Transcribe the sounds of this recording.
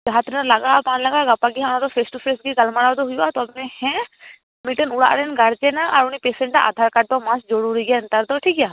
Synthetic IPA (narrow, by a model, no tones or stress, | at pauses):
d͡ʒaɦat̪ɾinaɾlaɡapanlaɡaʔɡapaɡiɦãñad̪ɔpʰesʈupʰesɡiɡalmaɽad̪ɔɦujuʔat̪ɔabmɛhɛ̃ | miʈənuɽa̰ʔɾɛnɡaɽt͡ʃɛnaʔaɾunipesɛ̃ɳʈaʔa̰d̪ʱaɾkaʈ̚d̪ɔmasd͡ʒɔɽuɾiɡɛənt̪aɾd̪ɔʈʰikja